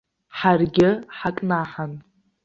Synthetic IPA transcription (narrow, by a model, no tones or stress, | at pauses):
ħarɡʲɪħakʼnaħan